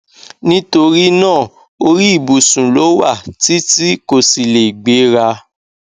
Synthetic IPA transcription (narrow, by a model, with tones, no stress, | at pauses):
nĩ˦to˧ɾi˦nãː˦˨ | o˧ɾi˦i˦˨bu˨sũ˨lo˨˦wa˦˨ti˦ti˦ko˦˨si˨le˨i˨ɡ͡be˨˦ɾa˧